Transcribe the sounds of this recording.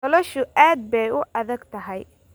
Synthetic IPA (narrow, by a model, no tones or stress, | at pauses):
ɔlɔʃʊʔaːd̪̚bɛjʊʔɐðɐɡt̪ʰɐɦɛj